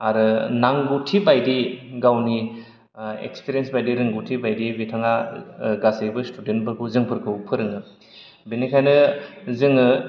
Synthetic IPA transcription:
aɾɯnaŋɡutʰibajdiɡawni | ḛkspeɾjensbajdiɾɯŋɡutʰibajdibitʰaŋaɡasebɯstudentpʰɯɾkʰuwzɯŋpʰɯɾkʰɯwpʰɯɾɯŋɯ | binikʰajnɯzɯŋɯ

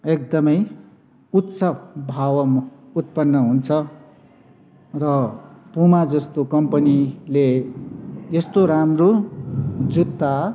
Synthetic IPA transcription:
ek̚d̪ʌmʌj | ut̪sʰʌbʱawʌmut̪̚pʌnːʌɦunt͡sʰʌ | rʌpumad͡zʌst̪okʌmpʌnile | jʌst̪oɾamro | d͡zut̪ːa

